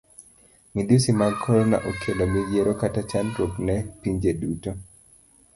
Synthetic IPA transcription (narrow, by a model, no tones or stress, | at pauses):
midusimaɡkʰɔlɔna̰ʔokʰelomijeɾokatat͡ʃantwoknɛpiɲd͡ʒeduto